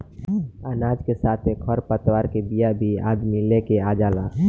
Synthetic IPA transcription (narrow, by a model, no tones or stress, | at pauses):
anaːd͡ʒkesaːt̪ʰekʰɔɾpət̪waːɾkebijabʱia̰ːd̪milekeaːd͡ʒaːla̰ː